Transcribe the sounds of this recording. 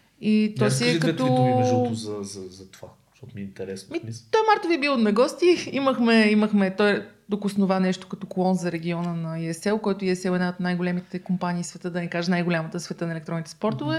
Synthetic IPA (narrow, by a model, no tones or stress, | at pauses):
it̪ɔsiɛkɐt̪ɔʒozɐzɐzɐt̪va | ʃt̪ɔt̪miint̪ɛɾɛsmit̪ːɔjmaɾt̪oviɛbilˠot̪nɐɡɔst̪iiməxmɛiməxmɛt̪ɔjd̪okʊsnovanɛʃt̪ʊ̥kɐt̪ɔklˠɔnzɐɾɛɡʲiɔnənɐiɛsɛlˠkɔjt̪ʊiɛsɛlˠɛd̪naot̪najɡʊlʲɛmit̪ɛkompaniːsvɛt̪ɤd̪ɐnʲikaʒənajɡʊlʲamət̪əsvɛt̪ɤnɐɛlɛk̚t̪ɾɔnit̪ɛ̥spɔɾt̪ʊvɛ